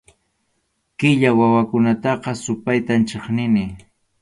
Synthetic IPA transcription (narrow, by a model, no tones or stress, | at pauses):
kɪʎawawakʊnat̪ɑqɑsʊpajt̪ant͡ʃeχnɪnɪ